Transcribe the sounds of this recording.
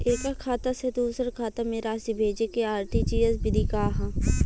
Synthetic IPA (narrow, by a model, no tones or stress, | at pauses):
eːkakʰaːt̪ased̪uːsəɾkʰaːt̪ameːɾaːsibʱeːd͡ʒekeaːɾʈ̪it͡ʃiːjəsbɪd̪ʱikaːɦã